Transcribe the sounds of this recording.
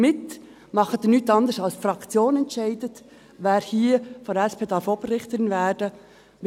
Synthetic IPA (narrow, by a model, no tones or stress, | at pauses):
mɪt | mɑχət̪ənytɑnd̪əɾsɑlsfɾɑkt͡sjoːnɛntt͡ʃɛɪdət̪ | ʋɛːɾhiːfɔɛspʰeːdɑɾfob̥əɾɪχt̪ənvɛːd̥ə | m